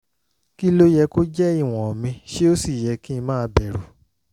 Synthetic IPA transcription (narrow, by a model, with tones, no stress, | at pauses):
ki˦lo˦jɛ˧ko˦d͡ʒɛ˦i˦˨w̃ɔ̃˨ɔ˨mĩ˧ʃe˦o˦si˦˨jɛ˨˧ki˦ĩ˧mãː˦˧˦bɛ˨ɾu˨